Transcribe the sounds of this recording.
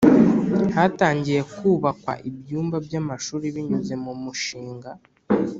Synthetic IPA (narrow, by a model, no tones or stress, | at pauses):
hataːɲɟije̞kuːβakwa̰ʔibjuːmbabjamaʃuːɾiβiɲuze̞mumuʃiːŋɡa